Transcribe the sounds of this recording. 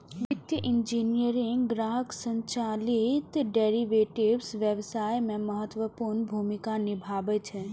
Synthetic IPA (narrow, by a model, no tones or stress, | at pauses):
ʋɪt̪jəʔɪnd͡ʒiːnijəɾĩŋɡɾaːɦəksə̃ɲt͡ɕaːlit̪ɖeːɾiʋeːʈibsʋjəʋsaːjmẽmɐɦət̪ʋəpuɾnbʱuːmikanɪbʱaːʋət͡ʃʰe